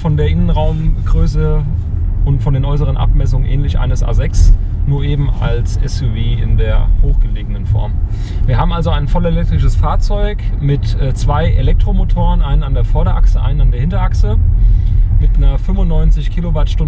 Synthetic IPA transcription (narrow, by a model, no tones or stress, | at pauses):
fɔndeːɐʔɪnənʁaʊmɡ̥ʁøːsə | ʊntfɔndeːnʔɔʏs̬əʁ̞ənʔa̰p̚mɛs̬ʊŋənʔɛ̰ːnlɪçʔa̰ɪnəsʔa̰ːzɛks | nuːɐʔeːbm̩a̰lsɛ̰sjuviːɪ̰ndeːɐhoːxɡ̥əleːɡənənfɔ̰ɐm | viːɐɦaːbm̩alzoaɪnfɔlelɛk̚tʁ̥ɪʃəsfaːɐt͡sɔʏkmɪtʔɛːt͡sv̥aɪʔḛlɛk̚tʁ̥omotʰoːʁənʔaɪnənandeːɐfɔɐɾɐʔa̰ksəʔa̰ɪnənandeːɐhɪntɐʔaksə | mɪtnɐfʏmvʊnːɔʏnt͡sɪçkʰilovaɐtʃtʊn